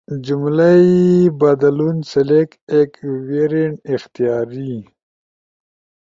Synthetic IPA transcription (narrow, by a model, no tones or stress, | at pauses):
d͡ʒumlaibad̪alunselekekweɾeɳixt̪ijaːɾi